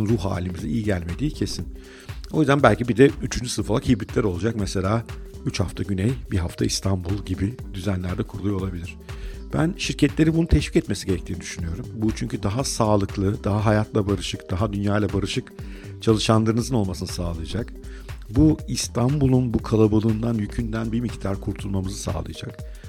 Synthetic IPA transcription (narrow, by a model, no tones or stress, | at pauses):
nɾuɦa̰ːlʲimizɛʔijiɟælʲme̞d̪iːcʰe̞sin | ojyzd̪ænbælʲcibid̪ɛyt͡ʃʰynd͡ʒysɯɾfalˠakhibɾit̪lʲæɾo̞lˠud͡ʒakmɛse̞lʲaːyt͡ʃha̰ft̪ʰaɟynɛjbiɦaft̪ʰaist̪ʰambulˠɟibid̪yzænlʲæɾd̪ɛkʰuɾulˠujo̞lˠabilʲiɾ̥b̥æ̰nʃiɾcʰɛt̪lʲe̞ɾinbununt̪ʰɛʃvi̥cɛt̪me̞siɟeɾɛct̪ʰiːnid̪yʃynyjo̞ɾumbut͡ʃʰyɲcʰyd̪aɦasaːlˠɯklˠɯd̪̥aɦaɦajat̪ʰlˠabaɾɯʃɯkd̪̥aɦad̪ynjaːjlˠabaɾɯʃɯk | t͡ʃʰalˠɯʃanlˠaɾɯnɯzɯno̞lˠmasɯnɯsaːlˠɯjad͡ʒak | buist̪ʰambulˠunbukʰalˠabalˠɯːnd̪anjycʰynd̪ænbimict̪ʰaɾkʰuɾt̪ʰulˠmamɯzɯsa̰ːlˠɯ̰jad͡ʒa̰k